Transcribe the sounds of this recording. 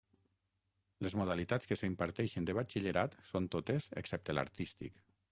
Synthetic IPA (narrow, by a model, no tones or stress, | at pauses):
lezmuð̞alit̪at͡sskəsəimpaɾt̪ɛʃənd̪əβ̞at͡ʃiʎəɾat̪sont̪ot̪ezḛksɛp̚t̪ela̰ɾt̪ist̪ḭk